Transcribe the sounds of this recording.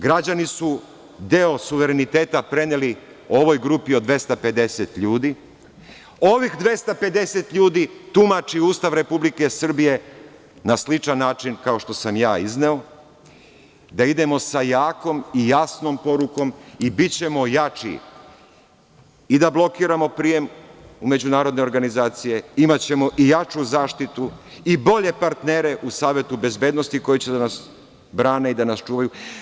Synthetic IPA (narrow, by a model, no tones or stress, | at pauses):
ɡɾad͡ʑanisu | d̪eo̞suʋe̞ɾe̞nit̪e̞ːt̪apɾe̞neli | o̞ʋo̞jɡɾupiod̪ʋe̞st̪ape̞d̪e̞se̞t̪ʎuːd̪i | o̞ʋixd̪ʋe̞st̪ape̞d̪e̞se̞t̪ʎuːd̪it̪umat͡ʃiuːst̪aʋɾepublike̞sr̩bije̞ | naslit͡ʃanːaːt͡ʃinkao̞ʃt̪o̞samjaːizneo̞ | d̪aid̪e̞mo̞sajaːko̞mijasnompo̞ɾuko̞mibit͡ɕe̞mo̞jat͡ʂḭ | id̪ablˠo̞kiːɾamo̞pɾije̞mume̞d͡ʑunaːɾo̞d̪ne̞oɾɡanizaːt̪sije̞imat͡ɕe̞mo̞ʔijat͡ʃuzaːʃt̪it̪uibo̞ʎe̞paɾt̪neːɾe̞ʔusaːʋje̞t̪ube̞zbe̞ːd̪nost̪iko̞jit͡ɕe̞d̪anas | bɾaːne̞id̪anast͡ʃuːʋaju